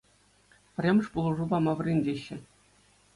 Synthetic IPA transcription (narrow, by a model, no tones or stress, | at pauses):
pʲrʲemʲɘ̆ʂpulˠɤ̆ʐubɑmɑʋɘ̆rʲenʲd͡ʑʲeɕːɘ̆